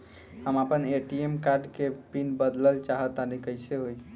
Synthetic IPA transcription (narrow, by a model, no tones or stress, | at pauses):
həmapəneʈiemkaɾɖkepinbəd̪ləlt͡ʃaɦət̪anikəjseɦoj